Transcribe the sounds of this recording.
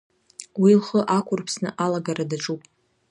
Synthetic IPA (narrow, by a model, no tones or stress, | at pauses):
wilχəʔakʷʰʊrpʰsnɨʔalaɡaɾadaʈ͡ʂʼupʼ